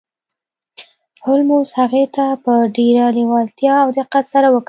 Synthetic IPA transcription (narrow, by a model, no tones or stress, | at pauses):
hʊlmoshaɣet̪apəɖeɾaniwalt̪jɑawd̪əqat̪saɾawək